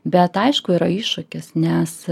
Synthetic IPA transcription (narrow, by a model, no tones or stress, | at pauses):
bʲɛt̪ɐɪʃkʊiːɾɐiːʃʊkʲɪsnʲɛs